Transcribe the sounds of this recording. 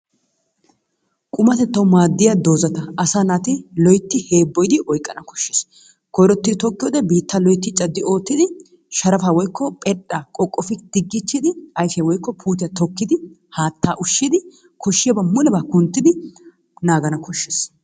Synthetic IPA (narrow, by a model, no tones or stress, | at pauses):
kʼʊmɐt̪ɛt̪ːɐwʊmaːd̪ːɪjad̪o̞ːzɐt̪ɐʔɐsaːnat̪ɪlɔjt̪ːɪhe̞ːbːɔjd̪ɪʔɔjkʼːɐnɐkɔ̥ʃːeːs | kɔjɾɔt̪ːɪt̪ɔkːɪjoːd̪ɛbiːt̪ːɐlɔjt̪ːɪt͡ʃʼːɐd̪ːɪo̞ːt̪ːɪd̪ɪ | ʃɐɾɐfaːwɔjkːɔpʼɛᶑakʼɔkʼːɔfɪd̪̥ɪɡːɪt͡ʃːɪd̪ɪɐjfjɐwɔjkːɔpʰuːt̪̬ɪjɐt̪ɔkːɪd̪ɪ | haːt̪ːaːʔʊʃːɪd̪ɪ | kʰɔʃːɪjɐbɐmʊlɛbakʊnt̪ːɪd̪ɪ | naːɡɐnɐkɔʃːeːs